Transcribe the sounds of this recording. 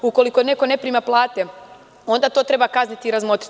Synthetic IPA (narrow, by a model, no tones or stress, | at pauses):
uko̞liko̞ne̞ko̞ne̞pɾiːmaplˠaːt̪e̞ | o̞nd̪at̪o̞ːt̪ɾe̞bakaznit̪iːɾazmo̞t̪ɾi̥t̪